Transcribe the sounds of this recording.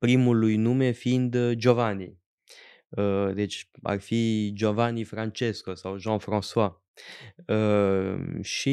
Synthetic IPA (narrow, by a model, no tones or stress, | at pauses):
pɾimulujnumefind̪d͡ʒovani | əd̪et͡ʃa̰rfid͡ʒovanifɾant͡ʃeskosawʒɑ̃nfɾãswa | ə | ʃi